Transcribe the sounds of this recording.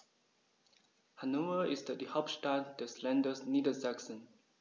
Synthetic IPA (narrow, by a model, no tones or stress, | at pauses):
hanovəisdədəhapstat̚dəslɛ̃ndəsnidəzaksə̃n